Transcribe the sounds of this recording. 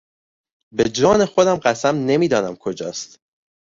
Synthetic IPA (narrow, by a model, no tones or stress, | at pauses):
be̞d͡ʒɒːne̞xo̞d̪æmɢæsæmne̞miːd̪ɒːnæmkʰod͡ʒɒ̰ːst̪